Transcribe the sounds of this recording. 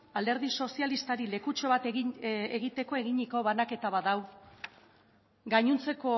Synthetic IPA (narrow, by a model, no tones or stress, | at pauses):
ald̪e̞ɾðiso̞sialist̪aɾile̞kut͡ʃo̞βat̪eeɣit̪e̞ko̞e̞ɣiɲiko̞βanake̞t̪aβaðaw | ɡaɲunt͡se̞ko̞